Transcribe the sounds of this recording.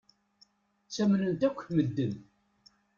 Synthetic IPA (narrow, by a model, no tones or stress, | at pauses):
t͡sːæmnənt̪ækʷːməd̪ːən